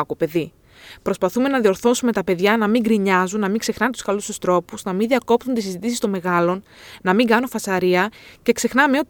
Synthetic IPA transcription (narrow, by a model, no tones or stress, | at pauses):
kope̞ði | pɾo̞spɐθume̞nɐðio̞ɾθo̞sume̞t̪ɐpe̞ðʝɐnɐmiŋɡɾiɲɐzunːɐmiŋɡse̞xnɐnet̪u̥skɐlusust̪ɾo̞puznɐminðiɐko̞p̚t̪unt̪isizit̪isist̪o̞me̞ɣɐlo̞n | nɐmiŋɡɐnunfɐsɐɾiɐce̞kse̞xnɐme̞o̞t̪